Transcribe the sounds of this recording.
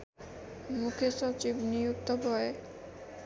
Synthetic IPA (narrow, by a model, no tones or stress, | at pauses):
mukʰjoʃɔt͡ʃibnijuk̚t̪ɔbʱɔe